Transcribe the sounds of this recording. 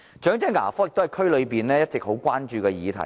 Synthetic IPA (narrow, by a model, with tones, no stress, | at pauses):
t͡ʃœː˨˥ŋt͡sɛː˥ŋa̰ː˨˩fɔː˥jɪ˨k̚t̪hɐ˨˩jkʰɵ˥ɥlɵ˨˧ɥpiː˨nlɛː˥jɐ˥t̚t͡sɪ˨k̚ho˨˥wkʷaː˥nt͡ʃyː˧kɛː˧jiː˨˧t̪ʰɐ̰˨˩j